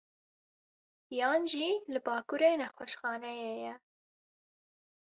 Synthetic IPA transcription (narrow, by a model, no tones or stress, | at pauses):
jɑːnʒiːlɨbɑːkuɾeːnɛxwɛʃxɑːnɛjejɛ